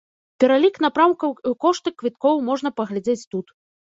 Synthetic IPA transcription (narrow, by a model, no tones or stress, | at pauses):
pʲɛɾalʲiknapɾawkɐwikɔʂt̪ɨkːvʲit̪̚kɔwmɔʐn̪ɐpɐɣlʲad͡zʲet͡sʲt̪ut̪